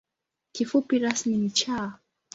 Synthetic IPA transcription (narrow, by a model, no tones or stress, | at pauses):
kifupiɾasmimit͡ʃaː